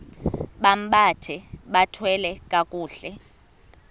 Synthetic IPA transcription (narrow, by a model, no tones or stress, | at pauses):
ɓam̩ɓatʰɛɓatʰwɛlɛkʼakʼuːɬɛ